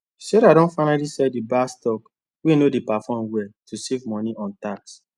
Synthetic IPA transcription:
sɛɾadɔ̃nfaɪnalisɛdibastɔk | winodipafɔ̃mwɛtʰusivmɔniʔɔ̃ntaks

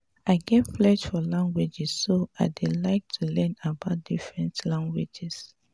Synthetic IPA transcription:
aɪɡɛtflɛʃfɔlãŋɡwed͡ʒɛsːoaɪdelaɪk̚tʰulɛ̃nabaʊt̚d̥ifɹɛ̃ntlãŋɡwḛd͡ʒis

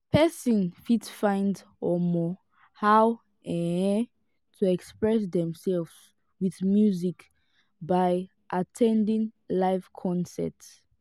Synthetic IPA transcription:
pʰɛsɔ̃nfidsfãɪ̃nd | ɔmɔ | haw | ɛ̃ɛ̃ | tʰuɛkspɹɛsdɛ̃msɛlvz | wiðmjuzik | baj | ʔatʰɛ̃ndĩŋlaɪvkʰɔ̃nsɛ̰ts

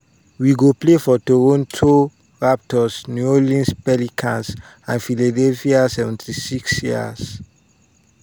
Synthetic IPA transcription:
wiɡoplefɔtoɹõntʰu | ɹap̚tɔsnuolĩnspɛlikʰãns | ãnfiladɛlfiasɛvɛ̃ntisiksjia̰s

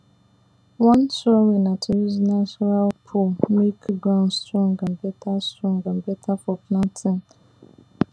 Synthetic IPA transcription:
wɔ̃nsɔɹinatʰiwiznasɔnalpʰumikɡãʊ̃nstɹɔ̃ŋɡãm̩bɛt̪ʰastɹɔ̃ŋɡam̩bɛtʰafɔpnãtʰɪ̃n

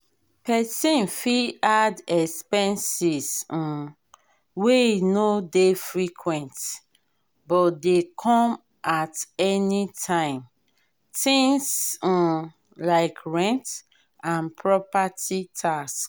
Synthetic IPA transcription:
pɛsĩnfiadɛkspɛ̃nsis̩ | wenodefɹikʰwɛ̃nt | bɔtdekʰɔ̃m | ʔatɛnitʰãɪ̃m | tĩŋs̩ | laɪkɹɛ̃nt | ãnpʰɹɔpatitʰask

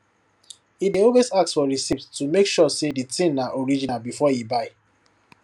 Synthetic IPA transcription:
ideɔlwezak̚tsfɔɹisivttumekʃɔseditĩnaʔɔɹid͡ʒinalbifɔjibaɪ

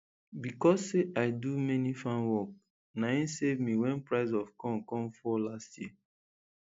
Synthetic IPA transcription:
bikɔsːeʔaɪdumɛnifãnwɔk̚ | naĩnsevmiwɛ̃npɹaɪzɔvkɔ̃nkɔ̃mfɔlastji

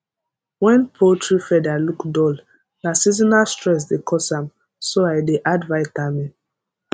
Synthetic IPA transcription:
wɛ̃npʰotʰɹifɛdalukdɔl | nasizɔnastɹɛs̬dekʰɔsãm | soaɪdeʔadvaɪtamĩ

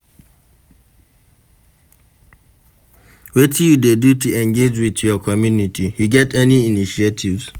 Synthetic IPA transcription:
wetʰijudedutuɛ̃ŋɡed͡ʒwiðjɔkʰɔmjunitijuɡɛtɛniiniʃietʰivz̥

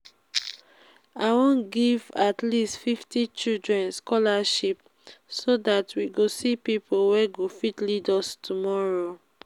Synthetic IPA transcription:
awɔ̃nɡivatlistfiftit͡ʃildɹɛ̃nskɔlaʃip̚ | sodatwiɡosipipʰolwɛɡofitlidɔstʰumɔɹo

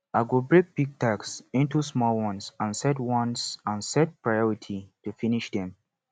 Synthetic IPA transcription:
ʔaɪɡubɹek̚piɡ̚taksĩntusmɔlwɔ̃nsãnsɛtwɔ̃nsãnsɛt̚pɹajɔɹitʰitufiniʃdɛ̃m

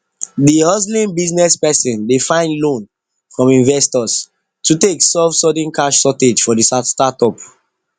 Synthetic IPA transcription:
diɔzlĩnbiznɛspɛsĩndefãɪ̃nlõn | fɹɔ̃mĩnvɛstɔs | tʰuteksɔvsɔd̃nkaʃsɔted͡ʒfɔdisastatɔp

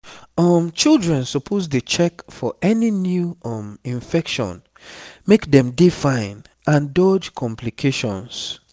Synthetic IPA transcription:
ɔmt͡ʃildɹɛ̃nsɔpʰosdət͡ʃɛkfɔʔɛninjuɔmĩnfɛkʃɔ̰̃n | mekdɛ̃mdifãɪ̃n | ʔãndɔd͡ʒkʰɔ̃mplikʰeʃɔ̃ns

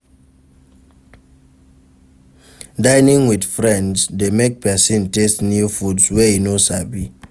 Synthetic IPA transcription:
daɪnĩŋwidfɹɛ̃ndsdemek̚pɛsĩntestnufudswɛhinosabi

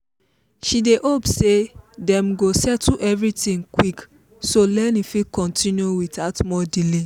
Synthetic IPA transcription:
ʃideʔopsedɛ̃mɡosɛtuʔɛvɹitĩŋkwik | solɛnifikɔ̃ntĩnjuwitatmɔdile

